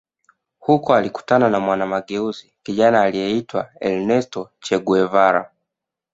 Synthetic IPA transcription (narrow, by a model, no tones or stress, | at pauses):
hukɔaliku̥tananamwanamaɠɛuzikiʄanaːlijɛitwa̰ɛ̰lnɛstɔt͡ʃɛɡuɛvaɾa̰